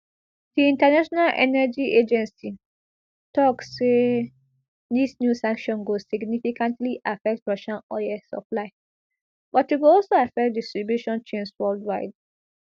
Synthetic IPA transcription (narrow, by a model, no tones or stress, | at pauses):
d̥iĩntanaʃɔnalʔɛ̰nɛd͡ʒiʔed͡ʒɛ̃nsi | tɔksːe | disnjusãŋkʃɔ̃nɡosiɡnifikãntliʔafɛk̚tɹɔʃãnɔjɛsɔ̰plaɪ | b̥ɔtjuɡoɔlsoafɛk̚distɹibjuʃɔ̃nt͡ʃẽnswɛldwaɪd